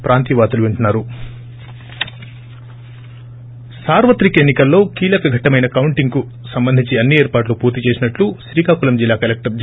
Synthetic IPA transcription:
pɾaːnt̪iʋaːt̪ɐluʋeɳʈunːaːɾu | saːɾʋɐt̪ɾikɐenːikɐlːo̞ːkiːlɐkɐɡʱɐʈɐmɐjnɐkɐwuɳʈiŋɡku | sɐmbɐnd̪ʱiɲt͡ʃiɐnːie̞ːɾpaːʈ̬lupuːɾt̪it͡ʃe̞ːsinɐʈluʃɾiːkaːkulɐmd͡ʒilːaːkɐlek̚ʈɐɾd͡ʒ

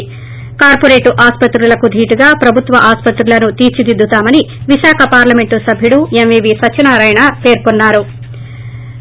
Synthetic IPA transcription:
kaːɾpoɾeːʈuʔaːspɐt̪ɾulɐkud̪ʱiːʈuɡaːpɾɐbʱut̪ʋɐʔaːspɐt̪ɾulɐnut̪iːɾt͡ʃid̪id̪ːut̪aːmɐniʋiʃaːkʰɐpaːɾlɐme̞ɳʈusɐbʱjiɽuemʋiːbisɐt͡ʃːinaːɾɐjɳɐpe̞ːɾkonːaːɾu

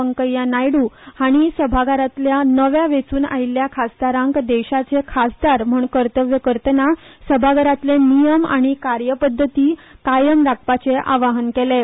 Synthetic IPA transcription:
əŋkəjːanajɽuhaɽ̃isəbʱaɡaɾat̪ljanəʋjaʋet͡suːna̰ɦilːjakʰasd̪aɾãŋkd̪eɕat͡sekʰasd̪aɾm̤uɳkəɾt̪əʋjəkəɾt̪ənasəbʱaɡəɾat̪lenijəma̰ɽ̃ikaɾjəpəd̪ʱːət̪iːkajəmɾak̚ʰpat͡seʔa̰ʋaɦənkele

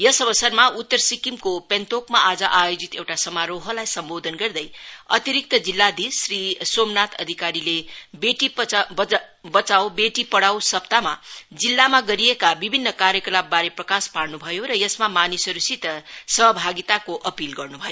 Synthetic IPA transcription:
jʌsʌbʌsʌrmaut̪ːʌrsikimkopent̪okmaʔad͡zʌʔajod͡zit̪ewʈasʌmaɾoɦʌlajsʌmbod̪ʱʌnɡʌrd̪ʌjʌ̰t̪iɾik̚t̪ʌd͡zilːad̪isrisomnat̪ʌd̪ʱikaɾilebeʈi | bʌt͡sawbeʈipʌɽawsʌpt̪amad͡zilːamaɡʌɾijekabibʱinːʌkaɾjʌklabbaɾeprʌkaspaɽnubʱʌjoɾʌjʌsmamanisʌɾusit̪ʌsʌɦʌbʱaɡit̪akoʔʌpilɡʌrnubʱʌjo

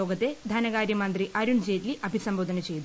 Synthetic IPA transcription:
oːɡɐt̪ːed̪ʱɐnɐɡaːɾjɐmɐnd̪riʔɐɾuɳd͡ʑeːtliʔɐbʱisɐmboːd̪ʱɐnɐt͡ɕe̞jt̪

